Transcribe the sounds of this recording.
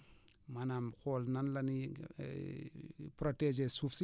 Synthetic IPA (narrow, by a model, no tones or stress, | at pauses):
manamxolnɐnlɐnḭ | pɾoted͡ʒesufsi